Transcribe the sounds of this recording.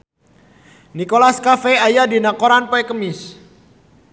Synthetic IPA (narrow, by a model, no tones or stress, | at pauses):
nikolaskafeajadinakoɾanpoɛkəmɪs